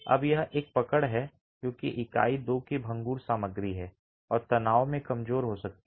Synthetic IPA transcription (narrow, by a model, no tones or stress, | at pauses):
ɐ̰bjɐɦeːk̚pɐkəɽɦɛ | kjõːkḭʔɪka̰ːid̪oːkebʱɐ̃ŋɡuːɾsaːməɡɾiɦɛː | ɔːɾt̪ɐnaːomẽkɐmzoːɾɦosɐk̚t̪